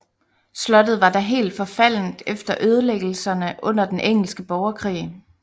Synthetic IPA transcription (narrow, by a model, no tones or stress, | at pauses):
slɒ̽d̥ð̞̩ˠʋɑ̈d̥ɑ̈ɦe̝̰ːld̥fɒ̽fæl̰n̩d̥efd̥ɐʔøːð̞ˠəleɡ̥l̩sɐnəʔɔ̽n̰ɐd̥enʔeŋ̰l̩sɡ̥əb̥ɒʊɐkʰʁḭː